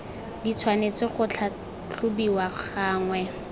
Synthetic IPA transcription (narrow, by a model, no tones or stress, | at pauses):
dit͡sʰwanet͡sɪχʊt͡ɬʰa | t͡ɬʰʊbiwaχaːŋwɛ